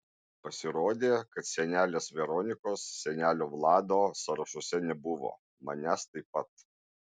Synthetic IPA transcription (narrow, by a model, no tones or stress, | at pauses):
pɐsʲɪɾoːd̪ʲeːkɐt̪sʲɛnʲæːlʲeːsʋʲɛɾɔnʲɪkoːsːʲɛnʲæːlʲoːʋlˠɑːd̪oːsɐɾɐʃʊsʲɛnʲɛbʊʋo̰ː | mɐnʲæst̪ɐɪpɐt̪